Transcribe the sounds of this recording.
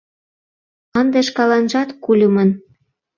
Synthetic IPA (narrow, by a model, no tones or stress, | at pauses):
ɑnd̪eʃkɑlɑnʒɑt̪kulʲumə̆n